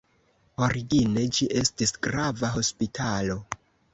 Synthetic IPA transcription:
o̞ɾiɡine̞d͡ʒiʔe̞stisɡɾavaɦo̞spitʰalo̞

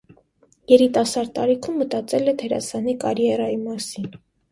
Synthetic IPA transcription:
jɛɾit̪ɑsɑɾ̚t̪ɑɾikʰumːət̪ɑt͡sɛlɛt̪ʰɛɾɑ̰sɑnikɑɾjɛɾɑjimɑsin

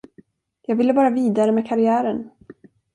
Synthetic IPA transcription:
jɑːɡvɪlːəbɑːɾaviːd̪aɾəmɛːkʰaɾɪæːɾən

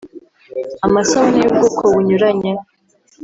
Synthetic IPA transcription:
amasahunijub̚ɡoːkʰoβuɲuɾaɲe

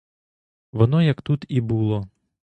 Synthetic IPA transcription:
ʋɔnɔjɐkt̪ut̪ibulˠɔ

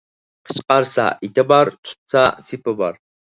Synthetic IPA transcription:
qʰə̥t͡ʃqɑɾsɑ̰ʔet̪ɪbɑɾt̪ʰʊ̥t̪sɑsʰipɪbɑɾ

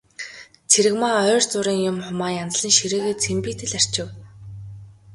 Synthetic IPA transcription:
t͡sʰeɾɘ̆kmaœːrt͡sʊɾiːŋjʊmχʊmaːjant͡s̆ɮə̆nʃiɾeːɣeːt͡sʰempiːt̪ʰɘ̆ɮar̥ʲt͡ɕɪ̆w

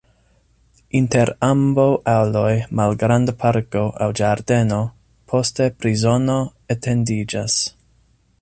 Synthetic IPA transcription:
inte̞ɾambawʔawlo̞jmalɡɾandapʰaɾko̞ʔa̰wd͡ʒaɾde̞no̞ | pʰo̞ste̞pɾizo̞no̞etʰe̞ndid͡ʒas

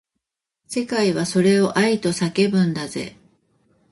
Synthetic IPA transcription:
se̞kaiβaso̞ɾe̞o̞ʔait̪o̞sake̞bɯ̟̃nd̪aze̞̰

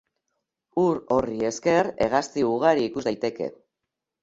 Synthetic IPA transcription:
uɾo̞rie̞ske̞re̞ɣ̞ast̪iuɣaɾiːkuzd̪ajt̪e̞ke̞̰

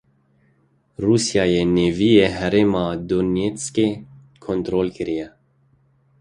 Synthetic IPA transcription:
rusjɑːjɛnevijeɦɛɾeːmɑːd̪onjet͡ske | kʰont̪ɾoːlkɪɾijɛ

